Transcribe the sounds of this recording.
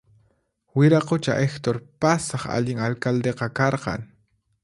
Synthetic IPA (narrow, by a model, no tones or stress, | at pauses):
wɪɾaqot͡ʃa̰ʔext̪oɾpasɑχa̰ʎɪŋalkald̪eqɑkɑɾqɑ̰ŋ